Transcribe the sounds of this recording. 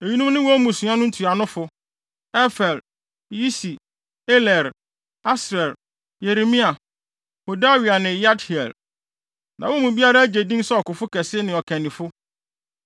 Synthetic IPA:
e˨ɲĩ˦nũ˦m˦nʊ̃˦wɔ˦mũ˨sʊ̃˨˦ã˦nʊ̃˦n̩˦tʰu˨a˨nʊ̃˦fʊ˨ | ɛ˦fɛ˨l | ji˦si˨ | ɛ˦lɛ˨ɾ | a˦sɾɛ˨l | je˨ɾe˨mĩ˦a˨ | ho˨da˦wi˨a˨nɪ̃˨ja˦thi˨ɛ̰˨l | nʔã˨wɔ˦mũ˨bi˦a˦ɾa˦æ˦d͡ʑe˨dĩ˦n˦sɛ˦ɔ˨kʊ˨fʊ˦kʰɛ˨sɪ˦nɪ̃˨ɔ˨kʰæ̃˨nĩ˨fʊ˦

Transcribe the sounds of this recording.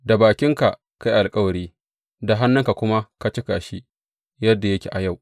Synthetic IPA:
da˨baː˨kʲɪ˦ŋka˨ʔ | ka˦jʔa˨lkʼɐ˦wɐ˨ɽiː˦ | da˨ɦa˦nːʊ˦ŋka˨kʷʊ˦ma˦ka˦t͡ʃɪ˦kaː˨ʃi˦ | jɐ˦dːa˨jɐ˦kʲḛ˨ʔa˨ja˦˨w

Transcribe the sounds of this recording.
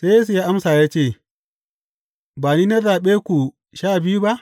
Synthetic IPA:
se˦ja˦s̬u˨ja˦ʔa˦msaː˨jaː˦t͡ʃeː˦˨ | baː˨niː˦na˦zaː˨ɓeː˦kʷu˨ | ʃaː˦˨bɪ˦ju˦ba˦ʔ

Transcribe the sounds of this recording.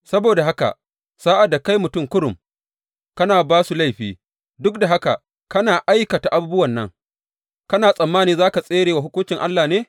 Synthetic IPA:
sɐ˦boː˨da˨ɦa˦ka̰˨ | saː˦ʔa˨da˨ka˦jmʊ˨tʊ˦mkʊ˦ɽʊ˨m | kɐ˦naː˨baː˦su˨la˦˨jɸiː˦ | dʊ˦k̚da˨ɦa˦ka̰˨ | kɐ˦naː˨ʔa˦jkɐ˨ta˨ʔa˨buː˦bʊ˦wɐ˨nːɐ˦ŋ | kɐ˦naː˨sʼɐ˨mːaː˦niː˨zaː˦ka˨sʼeː˦ɽeː˨wa˨ɦʊ˦kʷʊ˦nt͡ʃɪ˨ŋʔa˦lːaː˨neː˦

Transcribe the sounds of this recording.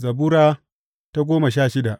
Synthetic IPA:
zɐ˨buː˦ɾaː˦ | ta˦ɡʷoː˦ma˨ʃaː˦˨ʃɪ˦da˨ʔ

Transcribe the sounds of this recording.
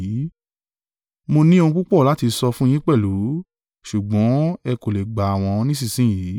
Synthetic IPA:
mo˧nĩ˦o˧ũ˧k͡pu˦k͡pɔ˦˨la˨˦ti˧sɔ˧fũ˦j̃ĩ˦k͡pɛ˦˨lu˨˦ | ʃu˨ɡ͡bɔ̃˨˦ɛ˧ko˨le˨ɡ͡ba˨w̃ɔ̃˧nĩ˦s̬i˦˨sĩ˦ji˨˦

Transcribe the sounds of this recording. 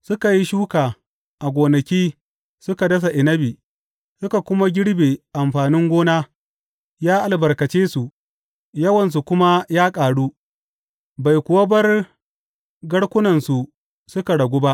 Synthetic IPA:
sʊ˦ka˨ji˦ʃuː˦kaː˨ | ʔa˨ɡʷoː˨nɐ˨kʲiː˦ | sʊ˦ka˨dɐ˦s̬a˨ʔɪ˨nɐ˦biː˨ | sʊ˦ka˨kʷʊ˦ma˦ɡʲɪ˦ɽbeː˨ʔa˨mɸaː˨nɪ˦ŋɡʷoː˦naː˦ | jaː˦ʔa˨lbɐ˨rkɐ˨t͡ʃeː˦su˨ʔ | jɐ˦wɐ˨ns̬u˨kʷʊ˦ma˦jaː˦kʼaː˨ɽu˦ | ba˨jkʷʊ˨wɐ˦bɐ˦r | ɡɐ˦ɽkʷʊ˦nɐ˨nsu˨ | sʊ˦ka˨ɽɐ˨ɡʷuː˦ba˦ʔ

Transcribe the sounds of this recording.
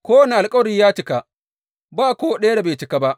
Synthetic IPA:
kʷoː˦wna˨ʔa˨lkʼɐ˦wɾiː˦jaː˦t͡ʃɪ˨ka˨ | baː˦˨kʷoː˦ɗɐ˦ja˦da˨beː˨t͡ʃɪ˨ka˦ba˦ʔ

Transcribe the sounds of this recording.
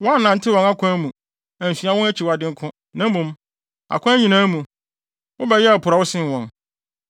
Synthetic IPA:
wɔ̃˦a˦nã˨n̩˦tʰɪ˦wɔ̃˨na˦kʰʷɔ̃˦mũ˨ | æ̃˨n˨fi˨a˦wɔ̃˦æ˦t͡ɕʰi˨wa˨dɪ̃˦ŋ̩˦kʰʊ̃˦ | nã˦m˦mũ˨m | a̰˨kʰʊ̃˦æ˦ɲĩ˨nã˦mũ˨ | wʊ̃˦bɛ˨jɛ˦a˨pʰʊ˨ɾa˨wʊ˦sɪ̃˦n˨wɔ̃˨n

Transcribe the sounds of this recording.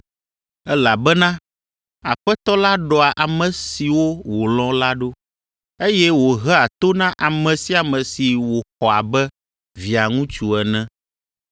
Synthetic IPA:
ɛ˦la˨bɛ˦nã˦ | a˨ɸɛ˦t̪ɔ˦la˦ɖɔ˨a˨ʔa˨mɛ̃˨si˨wo˦wo˨lɔ̃˦la˦ɖo˦ | e˦jɛ˦wo˨ɦɛ˦a˨t̪o˦nã˦ʔa˨mɛ̃˨si˦a˨mɛ̃˨si˨wo˨xɔ˨a˨bɛ˦ | vi˨a˨ŋũ˦t͡ʃu˨ɛ˨nɛ̃˦

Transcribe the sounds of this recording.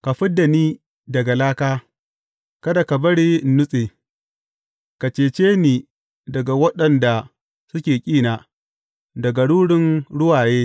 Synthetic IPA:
ka˨ɸɪ˦dːa˨niː˦ | dɐ˨ɡa˨laː˦kaː˦ | kɐ˦da˨ka˨bɐ˦ɽiː˦n̩˦nːʊ˦sʼeː˨ | ka˨t͡ʃeː˨t͡ʃeː˦niː˨ | dɐ˨ɡa˨wɐ˦ɗɐ˨nda˨ | sʊ˦kʲeː˨kʲʼiː˦naː˨ | dɐ˨ɡa˨ɽuː˦ɽɪ˦nɽʊ˦waː˨jeː˦

